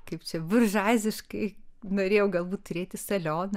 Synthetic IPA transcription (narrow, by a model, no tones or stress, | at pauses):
kɐɪpt͡ʃʲɛʋʲʊrʒɑːzʲɪʃkɐɪnoːɾʲeːjɛʊɡɐlˠbuːt̪t̪ʊɾʲeːt̪ʲɪsɐlʲoːnɐ